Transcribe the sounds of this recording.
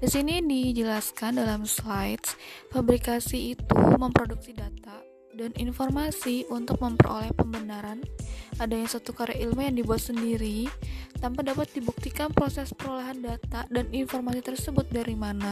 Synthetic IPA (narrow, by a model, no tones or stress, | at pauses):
disinidid͡ʒəlaskandalamslajt̪fabɾikasiːt̪ṵməmpɾoduk̚sidat̪a | danḭnformasiunt̪ʊk̚məmpə̰ro̰lɛhpəmbənaɾanʔadaɲasat̪ukaɾaʔilmujaŋdibuat̪səndiɾit̪ampadapat̪̚dibuk̚t̪ikanpəɾosɛspəɾoleɦandat̪adaninformasit̪ərsəbʊt̪̚daɾimana